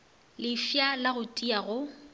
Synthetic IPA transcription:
lɪfjalaɣʊtʼiaɣʊ

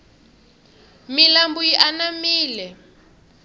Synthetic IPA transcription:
milambujiʔanamiːlɛ

